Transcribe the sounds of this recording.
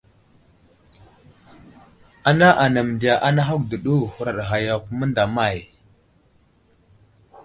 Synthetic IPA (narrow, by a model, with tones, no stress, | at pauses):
a˨na˦ʔa˨na˨m˨di˨a˨ʔa˦na˦ɦa˦kdə˨ɗu˦˨hu˨ɾa˨ɗɣa˨ja˨ku˦mə˦nda˨ma˦˨j